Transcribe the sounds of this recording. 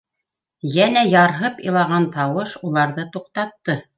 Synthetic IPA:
jænæjɑɾɦɤpɤ̰̆lˠɑʁɑnt̪ɑwɤʃulˠɑɾðɤt̪uq̚t̪ɑt̪ːɤ

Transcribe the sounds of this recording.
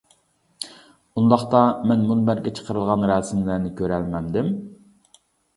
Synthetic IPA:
und̪ɑχt̪ɑmɛnmunbæɾɡʲɛt͡ʃʰə̥qʰəɾɨlˠʁɑnɾɛsɪmlæɾnɪkʲʰøɾælmɛnd̪ɪm

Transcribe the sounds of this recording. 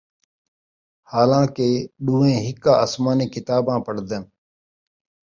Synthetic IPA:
haːlãːkeːɗũːẽːɦɪkːãːəsmaːnẽːkɪt̪aːbãːpəɽd̪en

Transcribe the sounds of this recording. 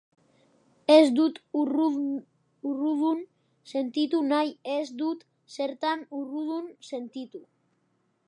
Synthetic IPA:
ezd̪ut̪r | uruðun | se̞nt̪it̪unajezd̪ut̪ | seɾt̪anuruðunse̞nt̪it̪u

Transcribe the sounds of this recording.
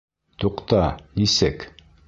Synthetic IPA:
t̪uqt̪ɑnisɘk

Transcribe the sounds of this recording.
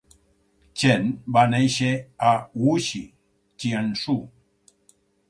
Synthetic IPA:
t͡ʃenbanejʃeauʃi | t͡ʃiansu

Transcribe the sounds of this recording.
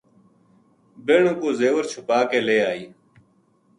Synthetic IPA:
beːɳõːkoːzeːʋəɾt͡ʃʰʊpaːkeːleːaːiː

